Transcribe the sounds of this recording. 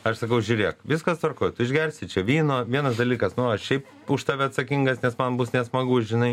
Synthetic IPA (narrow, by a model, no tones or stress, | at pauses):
ɐʃsɐkɐʊʒʲuːɾʲeːɛkʋʲɪskɐst̪ʋɐrkoːjt̪ʊɪʒʲɡʲɛrʲsʲɪt͡ʃʲɛʋʲiːnoːʋʲiɛnɐs̬d̪ɐlʲiːkɐsnʊɐʃʃʲɛɪp | ʊʃt̪ɑːʋʲɪɐt̪sɐkʲiŋɡɐsnʲɛsmɐnbʊsnʲɛsmɐɡʊsʒʲɪnɐɪ